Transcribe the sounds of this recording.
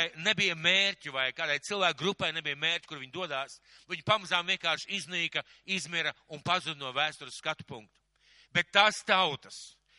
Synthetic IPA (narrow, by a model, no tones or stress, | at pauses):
jnebijɐmeːɾʲtʲuvajkaːd̪ajt̪silˠvæːk̚ɡɾupajnebijəmeːɾʲcʲi̥kuɾviɲd̪uɔd̪aːs | viɲupamazaːmviɛŋkaːɾʃizniːkɐ | izmiɾɐunpazud̪nuɔvæːst̪uɾsːkat̪u̥puŋk̚t̪u̥ | bet̪ːaːst̪awt̪ɐ̥s